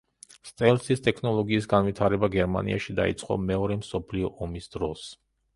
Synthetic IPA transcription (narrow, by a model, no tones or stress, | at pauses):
st̪ʼɛlsist̪ʼɛkʰnɔlˠɔɡiːs̬ɡanvit̪ʰaɾɛbaɡɛɾma̰nḭa̰ʃid̪a̰ḭt̪sʼqʼɔ̰mɛɔɾɛmsɔpʰliɔʔɔmisd̪̥ɾɔs